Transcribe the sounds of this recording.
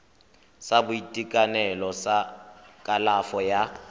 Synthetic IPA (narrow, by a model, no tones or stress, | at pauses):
sabʊitʼikʼanɛlɔsakʼalafɔja